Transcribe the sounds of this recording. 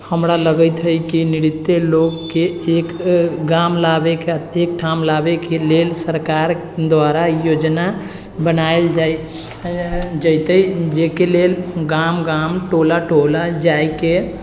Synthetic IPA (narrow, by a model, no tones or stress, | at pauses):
həmɾaləɡət̪ɦəjkiniɾit̪ːeloɡkːeːkɡamlabekeət̪ek̚ʈʰamlabekelelsəɾkaɾ | d̪waɾajod͡ʒna | bənaeld͡ʒaj | d͡ʒəjt̪əd͡ʒekelelɡamɡamʈolaʈolad͡ʒajke